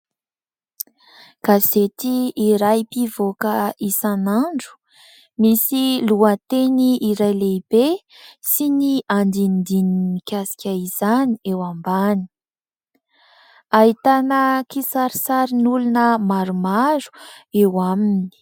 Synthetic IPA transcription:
ɡ̥azet̪iiɾajpivokəisanaɳɖ͡ʐu̥ | misiluət̪eniːɾajleibe | siniand̪ind̪inimikʲasi̥kʲaiz̥aniewambani̥ | aɦit̪anəkisaɾisaɾinulunəmaɾumaɾu̥ewaminni̥

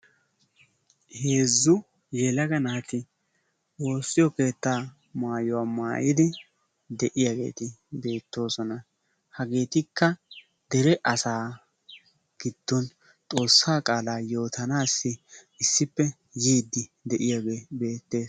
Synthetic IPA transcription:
he̞ːzːʊ | jɛlɐɡɐnaːt̪ɪ | wo̞ːsːɪjɔke̞ːt̪ːaː | maːjʊwaːmaːjɪd̪ɪ | d̪ɛʔɪjaɡe̞̰ːt̪ɪbe̞ːt̪ːo̞ːsɔnɐ | hɐɡe̞ːt̪ɪkːɐ | d̪ɛɾɛʔɐsaː | ɡ̥ɪd̪̥ːɔn | t̪ʼo̞ːsːaːkʼaːlaːjo̞ːt̪ɐnaːsːɪɪsːɪpːɛ | jiːd̪ːɪd̪ɛʔɪjaɡebe̞ːt̪ːe̞ːs

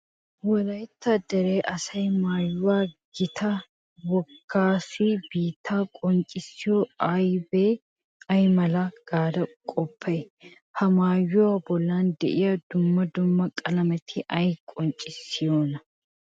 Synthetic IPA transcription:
wɔlɐjt̪ːɐd̪ɛɾeːʔɐsɐjmaːjːʊwaːɡ̥ɪt̪ʰɐ | wɔkʰːaːsibiːt̪ʰːaːkʼɔnt͡ʃʼɪsɪjoɐjbeː | ɐjmɐlɐɡ̥aːd̪ɐkʼɔpʰːɐ | hɐmaːjːʊwabɔlːaːnd̪ɛ̰ʔɪjɐd̪ʊmːɐd̪ʊmːɐkʼɐlɐmɛt̪ʰɪʔɐjkʼɔnt͡ʃʼɪsːɪjoːnɐ

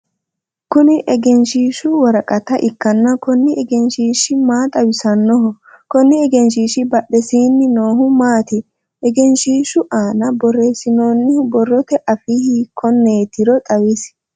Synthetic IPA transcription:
kʊnɪʔɛɡɛnʃiːʃʊwɐɾɐkʼɐt̪ɐʔɪkːɐnːɐkɔnːɪʔɛɡɛnʃiːʃɪmaːt̪ʼɐwɪsɐnːɔɦɔ | kɔnːɪɛɡɛnʃiːʃɪbɐɗɛsiːnːɪnoːɦʊmaːt̪ɪ | ʔɛɡɛnʃiːʃʊʔaːnɐbɔreːsɪnoːnːɪhʊbɔrːɔt̪ɛʔɐfihiːkʰɔnːeːt̪ɪɾɔt̪ʼɐwɪs

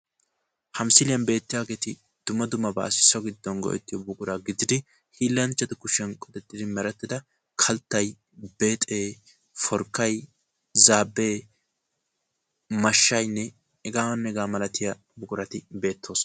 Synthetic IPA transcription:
hɐmsɪlɪjɐnbe̞ːt̪ːɪjaːɡe̞ːt̪ɪ | d̪̥ʊmɐd̪ʊmɐba̰ːsɪ̥sːɔɡɪd̪ːɔnɡɔ̰ʔɛ̰t̪ːɪjɔbʊkʼʊɾaːɡɪd̪ɪd̪ɪ | hiːlːɐnt͡ʃːɐt̪ɪkʊʃɛnkʼɔd̪ɛt̪ːɪd̪ɪmɛɾɐt̪ːɪd̪ɐ | kʰɐlt̪ːɐj | beːt̪ʼeː | fɔɾkːɐj | zaːbːe̞ː | mɐʃːɐjnːɛ | ɛɡaːnːɛɡaːmɐlɐt̪ɪjɐ | bʊkʼʊɾɐt̪ɪbe̞ːt̪ʰːo̞ːsɔ

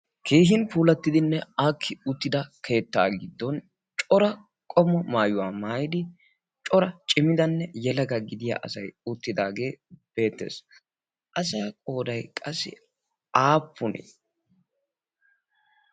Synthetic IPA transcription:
kʰe̞ːɦɪnpuːlɐt̪ːɪd̪ɪnːɛakʰːɪʊt̪ːɪd̪ɐkʰe̞ːt̪ːa̰ːɡɪd̪ːɔn | t͡ʃʼɔɾɐ | kʼɔmːɔmaːjʊwaːmaːjɪd̪ɪ | t͡ʃʼɔɾɐt͡ʃʼɪmːɪd̪ɐnːɛjɛlɐɡɐɡɪd̪ɪja̰ːʔɐsɐjʊt̪ːɪd̪aːɡe̞ːb̥e̞ːt̪ːḛːs | ʔɐs̬ɐjakʼo̞ːd̪ɐjkʼɐsːɪ̰ | aːpːʊnḛː

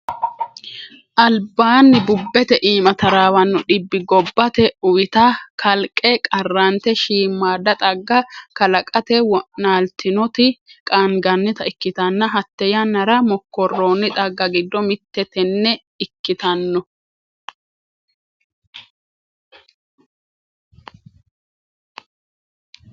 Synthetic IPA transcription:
ʔɐlbaːnːɪbʊbːɛt̪ɛʔiːmɐt̪ɐɾaːwɐnːɔɗɪbːɪɡɔbːɐt̪ɛʊwɪt̪ɐkʰɐlkʼːɛkʼɐrːant̪ɛʃiːmːaːd̪ɐt̪ʼɐɡːɐkɐlɐkʼɐt̪ɛwɔnaːlt̪ʰɪnɔt̪ɪkʼaːnɡɐnːɪt̪ɐɪkːɪt̪ɐnːɐɦɐt̪ːɛjɐnːɐɾɐmɔkːɔrːoːnɪt̪ʼɐɡːɐɡɪd̪ːɔmɪt̪ːɛt̪ɛnːɛ | ɪkːɪt̪ɐnːɔ

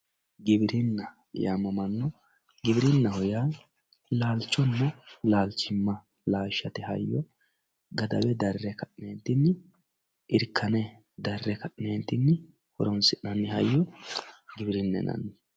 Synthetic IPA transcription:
ɡɪbɪɾɪnːɐ | ja̰ːmːɐmɐnːɔ | ɡɪbɪɾɪnːɐhɔjaː | laːlt͡ʃːɔnːɐlaːlt͡ʃːɪmːɐ | laːʃːɐt̪ɪhɐ̰jːɔ | ɡɐd̪ɐbɛd̪ɐrːɛkɐʔneːnt̪ɪnːɪ | ʔɪɾkʰːɐnɛ | d̪ɐrːɛkɐʔneːnt̪ːɪnːɪ | hɔɾɔnsɪʔnɐnːɪhɐjːɔ | ɡɪbɪɾɪnːɛ̰nɐ̰nːɪ

